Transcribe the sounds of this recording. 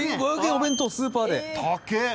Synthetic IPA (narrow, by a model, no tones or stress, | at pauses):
iɡaːɡẽobẽ̞nt̪osɨːpaːd̪e̞t̪ʰake